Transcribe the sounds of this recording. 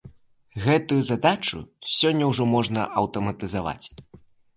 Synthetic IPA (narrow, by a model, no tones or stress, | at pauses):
ɣɛt̪ujuzad̪at͡ʂṵsʲɔnʲːɐwʐɔmɔʐnɐ̰ʔɐwt̪ɐmɐt̪ɨzava̰t͡sʲ